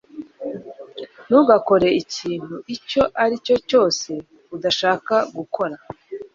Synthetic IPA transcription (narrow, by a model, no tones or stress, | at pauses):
nuɡako̞ɾe̞iciːn̥huʔico̞ʔaɾico̞co̞ːse̞ | udaʃaːkaɡukʰo̞ɾa